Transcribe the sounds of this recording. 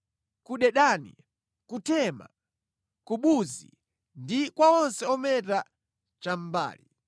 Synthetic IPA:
kuɗɛɗanḭ | kutɛma̰ | kuɓuzḭ | ndikwaɔnsɛɔmɛt̬a | t͡ʃam̩ba̰ːli

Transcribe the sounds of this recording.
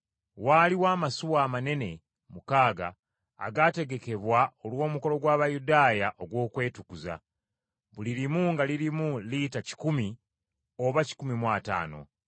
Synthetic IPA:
waliwaːmasuwaːmane̞ne̞ | mukaːɡa̰ː | ɡaːte̞ɡe̞ke̞βwao̞lwo̞ːmuko̞lo̞ɡwaːβajudaːjaʔo̞ɡwo̞ːkwe̞ːtukuza̰ | βuliɾimuŋɡaliɾimulitaci̥kumi | oβaci̥kumimwaːta̰ːno̞̰

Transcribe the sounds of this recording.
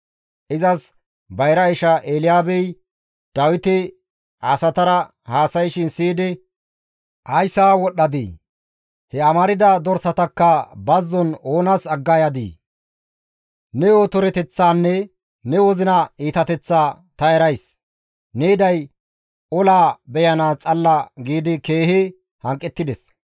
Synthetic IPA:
ʔɪzɐs | bɐjɾɐɪʃɐʔeːlɪjaːbɛj | d̪̥ɐwɪt̪ɪ | ɐsɐt̪ɐɾɐ | haːsɐjʃɪnsiːd̪ɛ | ʔɐjsaːwɔɗːɐd̪ḭ | hɛɐmɐɾɪd̪ɐd̪ɔɾsɐt̪ɐkːɐbɐzːɔno̞ːnɐsɐɡːɐjɐd̪ḭː | nɛoːt̪ɔɾɛt̪ɛt͡sːaːnːɛ | nɛwɔzɪnɐiːt̪ɐt̪ɛt͡sːaː | t̪ɐɛɾɐjs | nɛɪd̪ɐj | ɔlaːbɛjɐnaːt͡sʼɐlːɐɡiːd̪ɪke̞ːhɪ | hɐŋkʼːɛt̪ːɪd̪ɛs

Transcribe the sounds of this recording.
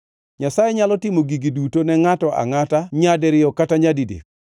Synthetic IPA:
ɲasajɛɲalɔtɪmoɡiɡidutonɛŋatɔʔa̰ŋataɲadɛɾɪɔkataɲadidḛk

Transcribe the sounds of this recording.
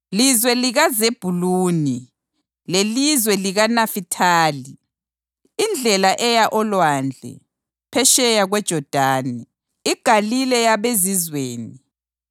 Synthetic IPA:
lizwɛliɣazeb̥ʱuluːni | lelizwɛliɣanafitʰaːli | ind͡ɮʱɛlaʔɛjaʔɔlwand͡ɮʱɛ̰ | pʰɛʃɛjaɣwɛd̥ʒ̥ʱɔd̥ʱaːni | iɡ̥ʱalilɛjaβezizweːni

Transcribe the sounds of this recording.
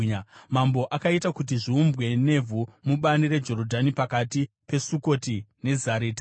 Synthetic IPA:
mambo̞ʔakaitakut̬iʐiumbɣe̞ne̞vʱumuɓaniɾe̞d͡ʒo̞ɾo̞dʱanipakati | pe̞suko̞tine̞zaɾeːta

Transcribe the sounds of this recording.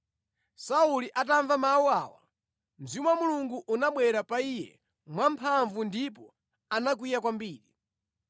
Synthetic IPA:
sauliʔat̬aɱvamawuaːwa̰ | mzimwamuluŋɡuʔunaɓwɛɾapaijɛ̰ | mwampʰaɱvundipɔ | anak̬wijak̬wambiːɾi

